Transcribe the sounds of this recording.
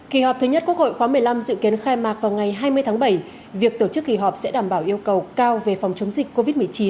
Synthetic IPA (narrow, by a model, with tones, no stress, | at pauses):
ki˨˩ɦɔ˨˩p̚t̪ʰɲə˦˥t̚ku˥k̚ho̰˧˨jxwaː˨˦mɨ˨˩əjla˧mzɨ̰˧˨ki˨˦ənxaː˧jmaː˨˩k̚vaː˨˩wŋa˨˩jɦaː˧jmɨ˧əjt̪ʰa˨˦ŋɓə˧˩j | vi˨˩ək̚t̪o˧˩t͡ɕɨ˦˥k̚ːi˨˩ɦɔ˨˩p̚sɛ̰˧˥ɗaː˧˩mɓaː˧˩wʔi˧əwkə˨˩wkaː˧wve˨˩fɔ˨˩wŋ͡mt͡ɕə˨˦wŋ͡mzï˨˩k̟̚ko˧vi˦˥t̚mɨ˨˩əjt͡ɕi˨˦n